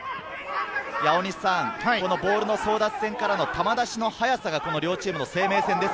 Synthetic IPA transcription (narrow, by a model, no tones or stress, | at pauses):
jao̞ɲ̟isãŋko̞no̞bo̞ːɾɯ̟no̞so̞ːd̪at͡sɨ̥sẽ̞ŋkaɾano̞t̪amad̪aɕino̞hajasaɡako̞no̞ɾʲo̞ːt͡ɕiːmɯno̞se̞ːme̞ːsẽnd̪e̞s